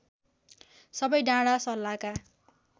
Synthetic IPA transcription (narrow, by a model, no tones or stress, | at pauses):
sʌbʌjɖãɽasʌlːaka